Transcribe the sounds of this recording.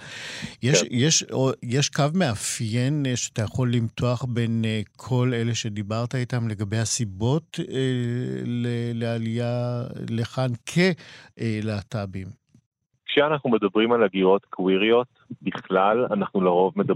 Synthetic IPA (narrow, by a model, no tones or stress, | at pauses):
jeʃjeʃojeʃkavme̞afjenʃeat̪ajaχo̞lːimtʰo̞aχbe̞nkʰo̞le̞le̞ʃe̞dibaʁt̪ait̪amle̞ɡabe̞jhasibo̞telelealijaleχankʰeʔleatabim | kʃeanaχnume̞d̪abʁimalaɡiʁo̞t̪kʰwiʁio̞t | biχlalanaχnulaʁo̞vmeda